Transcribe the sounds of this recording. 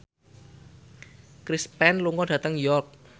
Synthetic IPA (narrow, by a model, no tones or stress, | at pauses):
kɾispɛnluŋɔɖ̥ä̤t̪əŋjɔrk̚